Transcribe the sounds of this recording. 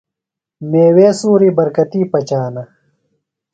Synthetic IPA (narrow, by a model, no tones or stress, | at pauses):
meːweːsuːɾibɐɾkɐt̪iːpɐt͡ɕaːnɐ